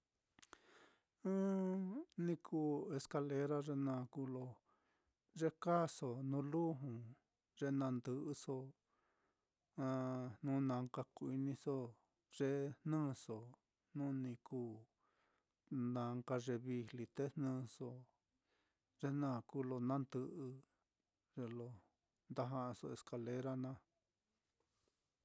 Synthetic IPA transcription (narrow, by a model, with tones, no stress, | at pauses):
nĩ˧kʰuː˦˨e˧ska˧le˧ɾa˦ʐe˧nã˧˨kuː˦lo˧ | ʐe˦ka˦so˨nũ˧˦lu˦ɦũ˨ | ʐe˧nã˧nd̪ɨ˧ʔɨ˧so˧ | ã˧nũ˦nã˧ŋka˧ku˧i˧nĩ˧so˦ | ʐ̥e˦hnɨ̃ː˦so˨ | nũ˦nĩ˧kuː˦˨ | nã˨˧ŋka˧ʐe˧βi˧˨li˧t̪e˦hnɨ̃ː˦˧so˧ | ʐe˦nã˦˨ku˦lo˧nã˦nd̪ɨ˧ʔɨ˧ | ʐe˧lo˧ | nd̪a˦ɦã˧ʔa˧so̰˧e˧ska˧le˦ɾa˦nã˦˧